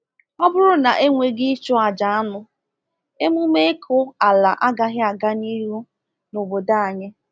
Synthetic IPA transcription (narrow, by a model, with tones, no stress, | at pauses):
ɔ˦bʊ˦ɾʊ˦na˨ʔe˦ŋʷe˨ɡɪ˦t͡ʃʊ˦a˨d͡ʒa˨a˦nʊ˨ | e˦mu˦me˦kʰʊ˦a˨la˨ʔa˦ɡa˦ɦɪ˦a˨ɡa˦ni˦ɾu˦ | no˨bo˨da˦a˨ɲɪ˦